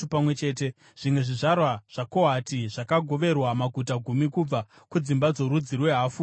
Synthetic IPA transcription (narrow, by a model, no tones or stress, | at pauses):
upamwe̞t͡ʃe̞ːt̬e̞ | ʐ̥imwe̞ʐiʐarwaʐ̥akoɦatiʐ̥akaɡʱo̞ʋe̞rwamaɡʱutaɡʱumikub͡va | kud͡zimbad͡zo̞ɾud͡zirwe̞ɦaːfu